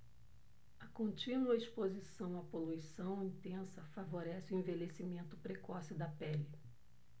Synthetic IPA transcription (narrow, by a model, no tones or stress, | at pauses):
ɐkõnt͡ʃĩnuɐespozisɐ̃w̃ɐpolujsɐ̃w̃ĩnt̪ẽsɐfavoɾɛsɪʊẽvelesimẽnt̪ʊpɾekɔsɪd̪ɐpɛli